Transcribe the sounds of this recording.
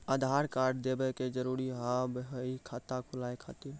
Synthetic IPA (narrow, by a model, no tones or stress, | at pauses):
ad̪ʱaɾkaɾɖd̪ebɛked͡ʒəɾuɾiɦabɦəikʰat̪akʰulaekʰat̪iɾ